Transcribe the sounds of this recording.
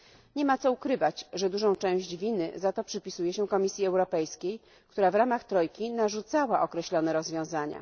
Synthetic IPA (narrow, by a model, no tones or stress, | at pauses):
ɲɛmat̪sɔukɾɘvat͡ɕʐɛd̪uʐɔ̃w̃t͡ʂɛ̃w̃ʑd͡ʑvʲinɘ̰zat̪ɔpʂɘpʲisujɛɕɛkɔmʲisʲjiɛwɾɔpɛjskʲej | kt̪uɾavɾamaxt̪ɾɔjkʲinaʐut̪sawaʔɔkɾɛɕlɔnɛɾɔzvʲjɔ̃w̃zaɲa̰